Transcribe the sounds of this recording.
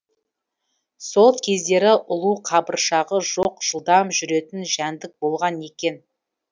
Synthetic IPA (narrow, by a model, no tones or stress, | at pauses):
so̞lˠkʲʰe̞zd̪e̞ɾɪʔʊlˠuqʰɑbəɾʃɑʁəʒoqʒ̥əlˠd̪ɑmʒʏɾe̞t̪ɪnʒænd̪ɪk̚bo̞lˠʁɑne̞kʲe̞n